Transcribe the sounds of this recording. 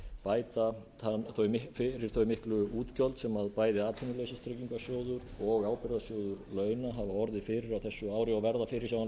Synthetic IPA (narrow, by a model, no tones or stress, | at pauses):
paːjt̪a | aθœɥmɪfɪɾɪɾ̥θœɥmɪhklʏuːt̪cɔlt̪sɛmaðpaːjðɪaːt̪ʰɪnʏlœːɥsɪst̪ʰɾɛcːiŋkasjoːwðʏɾɔɣaːwpɪɾðasjoːwðʏɾlœːɥnaɦavaɔɾðɪfɪɾɪɾawθɛsːʏaːwɾɪawvɛɾðafɪɾɪɾ̥jawan